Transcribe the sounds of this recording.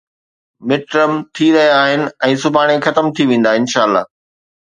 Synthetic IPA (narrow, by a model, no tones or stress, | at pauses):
mɪʈɾəmt̪ʰiɾɐɦijaaːɦɪnɪ̆ɛ̃ːsʊbʱaːɽ̃exɐt̪əmt̪ʰiʋẽːn̆d̪aːɪ̃nʃaːəlːa̰ː